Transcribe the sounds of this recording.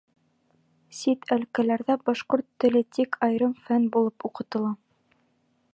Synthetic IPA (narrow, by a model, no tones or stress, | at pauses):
sit̪ʰælkælæɾðæbɒʃqoɾt̪ːɘ̆lɘt̪ikʰɑjɾɤmfænbulˠɤpuqɤ̆t̪ɤ̆lˠɑ